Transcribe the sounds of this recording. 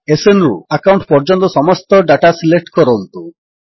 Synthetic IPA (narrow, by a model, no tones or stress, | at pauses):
esenɾṵakawɳʈpɔɾd͡ʒɔnt̪ɔsɔmɔst̪ɔɖaʈasilek̚ʈkɔɾɔnt̪u